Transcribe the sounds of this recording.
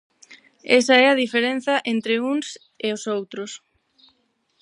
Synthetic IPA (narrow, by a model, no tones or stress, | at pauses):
esɐɛɐðifeɾen̟θɐʔent̪ɾeuŋs | eosowt̪ɾʊs